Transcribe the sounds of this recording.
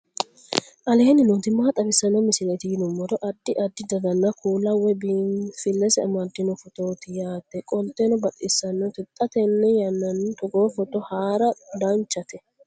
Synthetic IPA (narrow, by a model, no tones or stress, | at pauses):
ʔɐle̞ːnɪnut̪ɪmːaːt̪ʼɐbɪsːɐnːɐmɪsɪlɛt̪ɪjɪnʊmːɔd̪ɔʔɐd̪̥ːɪʔɐd̪ːɪd̪ɐd̪ɐnːɐkʰuːlɐwɛbifɪlːɛsɛɐmɐd̪ːɪnɔfɔt̪o̞ːt̪ɪjaːt̪ːɛkʼɔlt̪ʼɛnɔbɐt̪ʼɪsːɐnːɔt̪ɪt̪ʼːɐt̪ɛnːɛjɐnːɐnt̪ɔɡoːfɔt̪ːɔhaːɾɐd̪ɐnt͡ʃːɐt̪ʰɛ